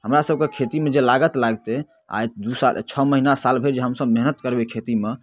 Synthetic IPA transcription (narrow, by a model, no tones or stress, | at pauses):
ɦəmɾasəb̚ʱkekʰet̪imed͡ʒelaɡət̪laɡt̪e | a̰jt̪̚d̪usal̰t͡ʃʰɔməɦinasalbʱeɾd͡ʒeɦəmsəbmeɦnət̪kəɾbekʰet̪ime